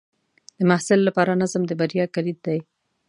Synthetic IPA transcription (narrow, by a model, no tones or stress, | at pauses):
d̪̥əmahsɪlːapɑɾanazəmd̪əbaɾijɑkaɾid̪̚d̪aj